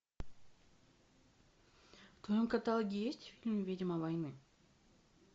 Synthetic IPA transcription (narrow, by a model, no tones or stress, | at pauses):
ft̪ojomkɐt̪alˠɡʲijesʲtʲfʲilʲnɨvʲidʲɪmɐvɐjnɨ